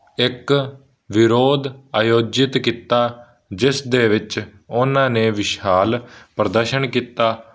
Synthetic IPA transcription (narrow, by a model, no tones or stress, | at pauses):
ɪk | ʋɪɾoːd̪aːjoːd͡ʒɪt̪kiːt̪aː | d͡ʒɪsd̪eːʋɪt͡ʃ | ʊnãːneːʋɪʃaːlpɾəd̪əɾʃənkiːt̪aː